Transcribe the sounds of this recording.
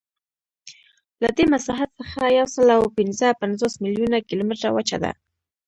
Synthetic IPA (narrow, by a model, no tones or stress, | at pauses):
lad̪emasaɦat̪səxajawsəlawpɪnzəpanzosmiljunakilomɪʈɾawat͡ʃa̰d̪a̰